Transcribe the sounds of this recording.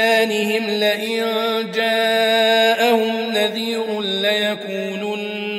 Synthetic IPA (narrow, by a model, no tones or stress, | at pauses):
aːnɪhɪmlɪʔɪnnd͡ʒaː | ʔahʊmnaðiːɾʊnlajakuːnuːn